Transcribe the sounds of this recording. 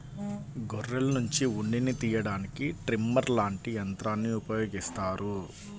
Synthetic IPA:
ɡɔrːelɐnuɲt͡ʃiuɳɖinit̪iːjɐɽaːnikiʈɾimːɐɾlaːɳʈijɐnt̪ɾaːnːiupɐjo̞ːɡist̪aːɾu

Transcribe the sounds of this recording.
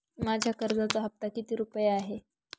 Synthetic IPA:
mad͡ʑʱjakəɾd͡zat͡səɦəp̚t̪akit̪iːɾupəjeaɦe

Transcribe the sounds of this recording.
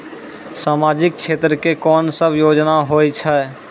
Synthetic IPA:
saːmaːd͡ʒɪk̚ʃʰeːt̪ɾəkekɔːnsəbjoːd͡ʒnaɦojt͡ʃʰɛ

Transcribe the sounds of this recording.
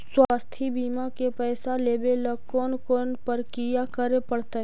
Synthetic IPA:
swaːst̪ʰibiːmakepɛːsaleːbeləkːoːnkoːnpəɾkijakəɾepəɽt̪aɦɛ

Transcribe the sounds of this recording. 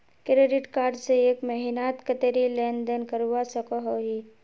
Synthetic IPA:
kɾeɖɪʈkaːɾɖseeːkmɛɦinaːt̪kət̪eɾileːnd̪ənkəɾuwasəkoɦoɦi

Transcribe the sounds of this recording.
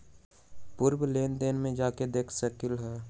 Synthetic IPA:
pʊɾwleːnd̪eːnmẽd͡ʒaːked̪eːkʰsəkɪlɦɛː

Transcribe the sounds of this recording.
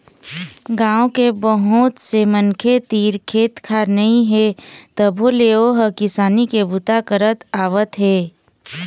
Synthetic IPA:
ɡãːõkebəɦʊt̪semənkʰet̪iːɾkʰeːt̪kʰaːnɐɦĩɦet̪əbʱoleːoɦəkɪsaːnikebʊt̪akəɾət̪aːʋət̪ɦeː

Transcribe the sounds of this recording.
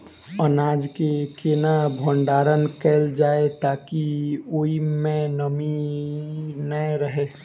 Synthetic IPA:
ənaːd͡ʒkekeːnabʱoɳɖaːɾənkɛːld͡ʒaːet̪aːkioimẽnəmi | nəɾəɦeː

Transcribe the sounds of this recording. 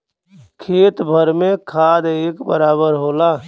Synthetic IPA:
kʰeːt̪bʱəɾmẽkʰaːd̪eːkbəɾaːbəɾɦoːlaː

